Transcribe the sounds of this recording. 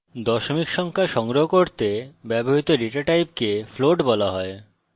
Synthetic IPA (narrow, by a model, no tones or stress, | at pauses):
d̪ɔʃomikʃɔŋkʰaʃɔŋɡɾoɦokoɾt̪ebɛboɦit̪oɾiʈaʈajp̚kefloɖbɔlaɦɔe